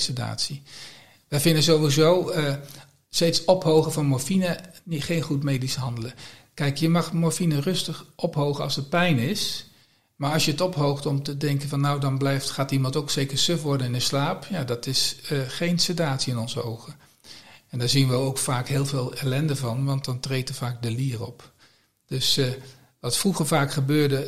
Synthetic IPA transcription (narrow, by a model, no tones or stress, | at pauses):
səda̰ːtsi | ʋəjvɪndəzowʋizowə | stejtsɔpɦowχəvɑnmɔɹfinəniχejnχutmejdisəɦɑndələkɛjkjəmɑχmɔɹfinərɵstəχʔɔpɦowχənɑ̰lˠsət̚pɛjnɪs | maːɹɑlˠsjəətɔpɦowχtɔmtədɛŋkənvɑnːawdɑnblɛjftχaːtimɑntowksejkəɹsøfʋɔɹdənɪnəslaːpjaːdɑtɪsəχejnsətaːtsiɪnɔnzəowχən | ɛndaːɹzinʋəowkfaːkɦɪːlˠveːlˠɛlɛndəvɑnʋɑnt̚dɑntrejtəɹvaːɡ̚dəliːərɔp | d̥øs | ʋɑtfruχəɹvaːkχəbøːɹdə